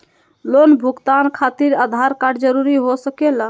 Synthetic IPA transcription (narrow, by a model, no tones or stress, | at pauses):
lonbʱuɡt̪ankʰat̪iɾad̪ʱaɾkaɖd͡ʒəɾuɾiɦosəkela